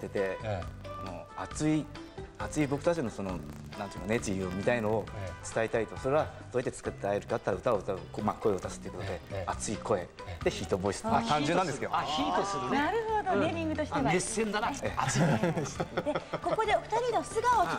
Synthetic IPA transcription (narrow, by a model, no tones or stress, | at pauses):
t̪ːe̞t̪e̞sano̞̰at͡sɨi | at͡sɨibo̞kɯ̟̥t̪at͡ɕino̞sono | nãnt̪ɯ̟imone̞t͡ɕiomʲit̪aino̞ːt͡sɨ̥t̪ait̪ait̪o̞so̞ɾe̞βad̪̥ojat̪ːet͡sɨ̥kat̪ːeaeɾɯ̟kat̪ːaɾaɯ̟t̪aoɯt̪amako̞e̞o̞t̪asɨ̥t̪ːeiɯkot̪od̪e̞at͡sɨikʰo̞e̞ | d̪̥e̞çiːt̪o̞bo̞isɨ̥mat̪ãɲd͡ʑɨ̃nːãnd̪esɨked̪çit̪osɨɾnaɾɯ̟hod̪oemʲĩŋɡɯ̟t̪oɕi̥eβaesːẽnd̪aaeaasd̪ekoko̞d̪e̞oɸ̟t̪aɾʲinosɨɡao